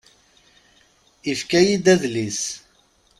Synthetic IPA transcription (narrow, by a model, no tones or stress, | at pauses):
ifkæjid̪æðlis